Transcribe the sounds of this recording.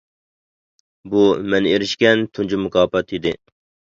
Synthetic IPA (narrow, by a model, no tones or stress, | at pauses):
bumɛneɾɪʃkʲɛnt̪ʰund͡ʒimukʰɑːpɑt̪id̪ɪ